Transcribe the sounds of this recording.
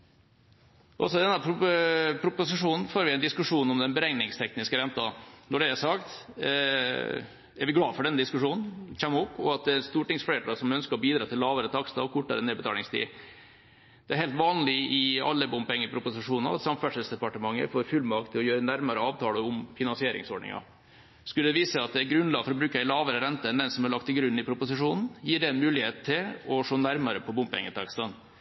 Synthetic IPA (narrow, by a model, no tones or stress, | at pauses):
ʔɔ̰sɔd̪ɛnːəpʰɾpʰɾʊpʊsɪʂuːnn̩foːɾʋɪɛɪnd̪ɪskʉʂuːnɔmd̪ɛnbəɾɛŋnɪŋst̪ʰɛknɪskəɾɛnt̪ɑnɔɖɛæsɑkt̪ | æɾʋɪɡlɑːfɔɖɛnːəd̪ɪskʉʂuːnn̩çɛmupɔɑt̪̚d̪ɛæɾst̪uːʈɪŋsfɽeːt̪ɑsɔmœnskəɾɔbiːd̪ɾɑːt̪ʰɪlːɑːʋəɾət̪ʰɑkst̪ɑ̰ɔkʰʊʈːɑ̰ɾəneːbət̪ɑːlɪŋst̪ʰḭː | d̪̥ɛæɾhɛɪlt̪ʋɑːnlɪɪɑ̰lːəbʊmpɛŋːəpʰɾʊpʊsɪʂuːnɑ̰ɾɑt̪sɑmfæʂəlsd̪ɛpɑʈəmɑŋːə̰foːɾfʉlmɑkt̪ʰɪlːɔjøːɾənæɾmɑɾəɑːʋt̪ʰɑːləʊmfɪnɑnsɪeːɾɪ̰ŋsɔɖɳɪ̰ŋɑ̰ | skʉlːəd̪ɛʋiːsəɑt̪̚d̪ɛæɾɡɾʉnlɑːɡəfɔɾɔbɾʉːkɑɪlɑːʋəɾəɾɛnt̪ənd̪ɛnsɔmæɭɑk̚t̪ʰːɪlɡɾʉnːɪpʰɾʊpʊsɪʂuːnn̩jiːɖɛɛnmʉːlɪheːt̪ʰːɪlɔʂoːnæɾmɑɾəpʰɔbʊmpɛ̰ŋːət̪ʰɑkst̪ɑn